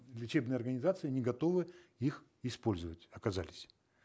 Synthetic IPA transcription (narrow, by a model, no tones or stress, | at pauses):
lʲɪt͡ɕebnɨjəɐrɡənʲɪzat̪sɨɪnʲɪɡɐt̪o̞vɨix | ɪspo̞lʲzəvətʲɐkɐzalʲɪsʲ